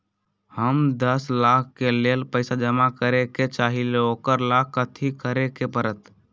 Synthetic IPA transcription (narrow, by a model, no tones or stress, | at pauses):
həmd̪əslakʰkelelpəɪsad͡ʒəmakəɾeket͡ʃaːɦileoːkəɾlakːət̪ʰikəɾekepəɾət̪